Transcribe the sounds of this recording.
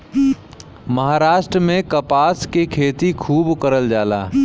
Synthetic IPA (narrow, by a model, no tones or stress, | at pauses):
məɦaːɾaːʃʈɾəmẽkəpaːskekʰeːt̪ikʰuːbkəɾəld͡ʒaːla̰ː